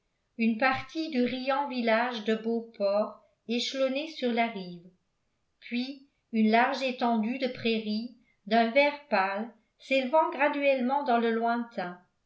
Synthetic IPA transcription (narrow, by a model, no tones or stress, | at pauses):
ynpaʁt̪ʰid̪yʁijɑ̃vilaːʒd̪əbopʰɔːʁ | eʃlonesyʁlaʁiːv | pʰɥi | ynlaʁʒet̪ɑ̃d̪yd̪əpχeʁi | d̪œ̃vɛːʁpal | seləvɑ̃ɡʁad̪yɛlmɑ̃d̪ɑ̃ləlwɛ̃t̪ʰɛ̃